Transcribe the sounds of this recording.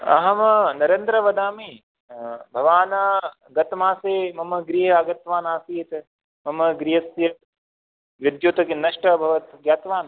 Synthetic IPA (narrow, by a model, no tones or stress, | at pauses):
ɐ̰ɦɐmɐnɐɾend̪ɾɐʋɐd̪aːmi | bʱɐʋaːnɐ | ɡɐt̪maːseːmɐmɐɡɾiːɦɐɐɡɐt̪ʋaːnaːsiːt̪ | mɐmɐɡɾiɦɐsjɐ | ʋid̪joːt̪ɐkinɐʃʈɐbʱɐʋɐt̪ɡjaːt̪ʋaːnɐ